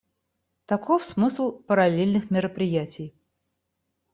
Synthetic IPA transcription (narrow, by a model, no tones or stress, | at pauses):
t̪ɐkʰofsmɨslˠpəɾɐlʲelʲnɨxmʲɪɾəpɾʲɪjætʲɪj